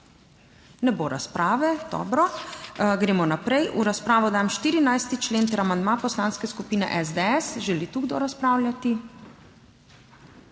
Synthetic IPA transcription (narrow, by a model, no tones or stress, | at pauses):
nɛboːɾa̰spɾaːʋɛd̪̥ɔ̰ːbɾɔ | ɡɾeːmɔnapɾɛjʔuɾaspɾaːʋɔd̪aːmʃt̪iːɾinajst̪it͡ʃleːnt̪ɛɾamand̪mapɔslãːnskɛskupiːnɛ̰ʔɛzd̪ɛɛsʒɛlit̪uɡd̪oɾaspɾaːwljat̪i